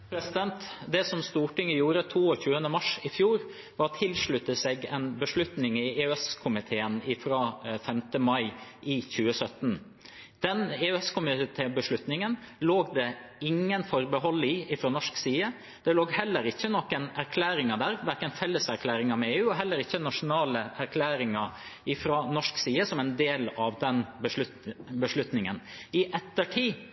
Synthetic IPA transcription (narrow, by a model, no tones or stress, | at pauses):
pʰɾɛsɪd̪ɛnt̪d̪ɛsɔmst̪uːʈɪŋːəjuːɾət̪ʰuːɔçʉːənəmɑʂɪfjuːɾ | ʋɑɾt̪ʰɪlʂɭʉt̪ːəsɛɡɛ̰nbəʂɭʉt̪nɪŋɪeːɛskʰʊmɪt̪ʰeːənɪfɾɑːfɛmt̪əmɑɪʔɪçʉːəsœt̪n | d̪̥ɛneːɛskʰʊmɪt̪ʰeːbəʂɭʉt̪nɪŋənloːɡd̪ɛɪŋːənfɔɾbəɦɔlːɪɪfɾoːnɔʂksiːə | d̪̥ɛloːɡhɛlːəɾɪçːənɔkːɛnæɾkʰlæːɾɪŋɑd̪æːɾʋæɾkənfɛlːəsæɾkʰlæːɾɪŋɑmɛeːʉːɔɦɛlːəɾɪçːənɑʂʊnɑːləʔæɾkʰlæːɾɪŋɑɪfɾɑnɔʂksiːəsɔmɛnd̪eːlɑʋd̪ɛnbəʂʉt̪bəʂlʉt̪nɪŋənɪʔɛt̪ːəʈʰiː